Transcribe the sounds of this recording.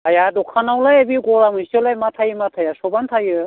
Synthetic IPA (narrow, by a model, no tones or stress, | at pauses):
ɦajad̪okʰanawlajabiɡoɾamɯsolajmat̪ʰajimat̪ʰajasobant̪ʰajɯ